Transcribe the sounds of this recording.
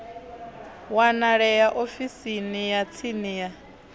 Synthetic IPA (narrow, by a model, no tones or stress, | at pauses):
wanaɺɛjaʔofisinijat͡sʰinija